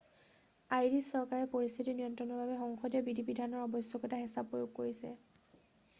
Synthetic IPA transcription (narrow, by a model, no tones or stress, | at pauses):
ajdisɔɹkaɹɛpoɹist̪ʰitinijɔntɔnɔɹbʱabɛxɔŋxɔdijɔbidʱipidʱanɔɹɔbɔsjɔkɔtaɦisabpːojoɡ̚koɹisɛ̰